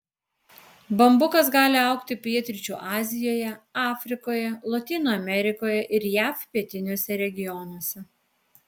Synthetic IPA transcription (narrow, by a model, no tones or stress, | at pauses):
bɐmbʊkɐsɡɑːlʲɪɐˑʊkt̪ʲɪpʲiɛt̪ʲɾʲɪt͡ʃʲuːʔɑːzʲɪjoːjɛɑːfʲɾʲɪkoːjɛlˠɐt̪ʲiːnoːɐmʲɛɾʲɪkoːjɛʔɪɾjæːfpʲiɛt̪ʲɪnʲuɔsʲɛɾʲɛɡʲɪjɔnuɔsʲɛ